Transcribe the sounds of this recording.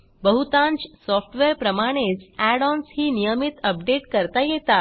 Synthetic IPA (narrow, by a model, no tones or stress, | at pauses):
bəɦut̪ãɲt͡ɕsɔfʰʈʋeɾpɾəmaɽ̃et͡sæɽɔnshiːnijəmit̪əp̚ɖeʈkəɾt̪ajet̪a